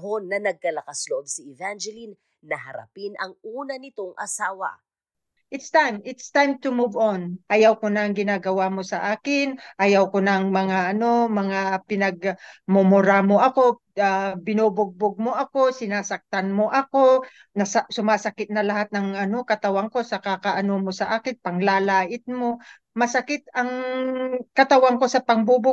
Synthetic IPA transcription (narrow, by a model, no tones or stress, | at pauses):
ɦonːɐnɐɡ̚kɐlɐkasloʔob̚siɪvand͡ʒɛlinː | ɐɦɐɾa̰pinʔɐŋʔuːnɐnɪt̪o̞ŋʔɐ̰saːwɐ̰ | ʔɪt̪st̪ajmʔɪt̪st̪ajmt̪ʊmuvonʔɐjawkonaɐŋɡɪnaːɡɐwamo̞sɐʔaːkɪnʔɐjawkonɐŋmɐŋaʔɐno̞mɐŋapɪnɐɡ̚mʊmʊɾamoʔɐko̞ | abɪnubʊɡ̚boɡ̚moʔɐko̞sɪnaːsɐk̚t̪anmoʔɐko̞ | nɐsasʊmaːsɐkɪt̪̚nɐlɐhat̪̚nɐŋʔɐno̞kɐt̪ɐwaŋko̞sɐkakɐʔɐnomosɐʔaːkɪnpɐŋlaːlaːʔɪt̪̚mo̞ | mɐsɐkɪt̪ɐŋ | kɐt̪ɐwaŋko̞sɐpɐŋbubʊ